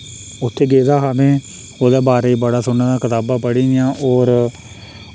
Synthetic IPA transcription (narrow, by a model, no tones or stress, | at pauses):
ʊt̪ʰːeːɡeːd̪aːɦaːmẽː | oːd̪aːbaːɾeːiːbəɽaːsʊnːãːd̪aːkət̪aːbãːpəɽiːnɪjãːʔoːɾ